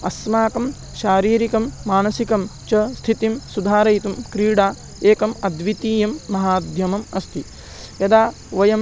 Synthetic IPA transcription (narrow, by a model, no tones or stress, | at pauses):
ɐ̰smaːkɐm | ʃaːɾiːɾikɐmːaːnɐsikɐmt͡ʃɐst̪ʰit̪imsud̪ʱaːɾɐjt̪umkɾiːɽaː | eːkɐmɐd̪ʋit̪iːjɐmːɐɦaːd̪ʱjɐmɐmɐst̪ʰi | jɐd̪aː | ʋɐjɐm